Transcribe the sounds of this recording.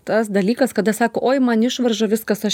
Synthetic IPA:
t̪ɐsd̪ɐlʲiːkɐskɐd̪ɐsɑːkoːʔoːɪmɐnɪʃʋɐrʒoʋʲɪskɐsɐʃ

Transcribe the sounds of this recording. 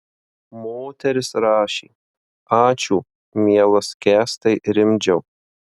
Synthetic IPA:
moːt̪ʲɛɾʲɪsɾɑːʃʲḭː | ɑːt͡ʃʲuː | mʲiɛlˠɐskʲæːst̪ɐɪɾʲɪmʲd͡ʒʲɛʊ

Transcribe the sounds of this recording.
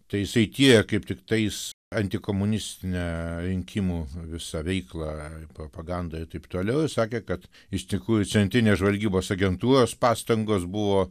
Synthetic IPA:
t̪ɐɪjɪsɐɪt̪ʲiɛɛkɐɪpt̪ʲɪkt̪ɐɪs | ɐnʲt̪ʲɪkoːmʊnʲɪsʲt̪ʲɪnʲæɾʲɪŋʲkʲɪmuːʋʲɪsɑʋʲɛɪklˠɑɪpɾoːpɐɡɐnd̪ɐːɪɾt̪ɐɪpt̪oːlʲɛʊsɑːkʲeːkɐt̪ | ɪʃʲt̪ʲɪkɾuːjʊt͡s̪ʲɛnt̪ʲɾʲɪnʲeːsʒʋɐlʲɡʲiːboːsɐɡʲɛnt̪uːɾoːspɑːst̪ɐŋɡoːsbʊʋoː

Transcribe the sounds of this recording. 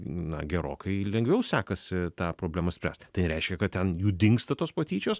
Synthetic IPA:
nɐ̰ɡʲɛɾo̰ːkʰɐɪlʲɛŋɡʋʲɛʊsʲæːkɐsʲɪt̪ɑːpɾoːblʲæːmɐsʲpʲɾʲæ̰ːst̪t̪ɐɪɾʲɛɪʃʲkʲɛkɐt̪t̪ʲɛnjuːd̪ʲɪŋkst̪ɐt̪oːspɐt̪ʲiːt͡ʃʲoːs

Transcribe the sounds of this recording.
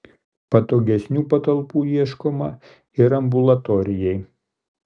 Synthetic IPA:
pɐt̪oːɡʲɛsʲnʲuːpɐt̪ɐlˠpuːiɛʃkomɐ | ɪɾɐmbʊlˠɐt̪ɔɾʲɪjɛɪ

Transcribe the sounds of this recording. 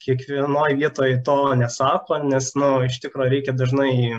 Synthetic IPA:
kʲiɛkʋʲiɛnoːjʋʲiɛt̪oːjt̪oːnʲɛsɑːkoːnʲɛsnʊɪʃt̪ʲɪkɾoːjɾʲɛɪkʲɛd̪ɐʒnɐɪ

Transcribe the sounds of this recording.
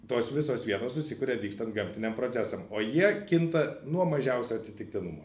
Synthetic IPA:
t̪oːsʋʲɪsoːsʋʲiɛt̪oːsʊsʲɪkʊɾʲeːʋʲiːkst̪ɐnt̪̚ɡɐmʲt̪ʲɪnʲɛmpɾoːt͡s̪ʲæsɐmoːjiɛkʲɪnt̪ɐnuɔmɐʒʲɛʊsʲʊɐt̪sʲɪt̪ʲɪk̚t̪ʲɪnʊmoː

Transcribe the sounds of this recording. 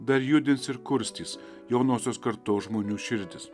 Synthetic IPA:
d̪ɐɾjʊd̪ʲɪnsɪɾkʊɾʲsʲt̪ʲiːs | jɛʊnoːsʲoːskɐɾt̪oːsʒmoːnʲuːʃʲɪɾʲd̪ʲɪs

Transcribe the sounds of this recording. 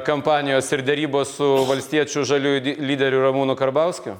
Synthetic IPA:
kɐmpɑːnʲɪjoːsɪɾd̪ʲɛɾʲiːboːssʊʋɐlʲsʲt̪ʲiɛt͡ʃʲʊʒɐlʲuːlʲiːdʲɛɾʲʊɾɐmuːnʊkɐɾbɐʊsʲkʲʊ

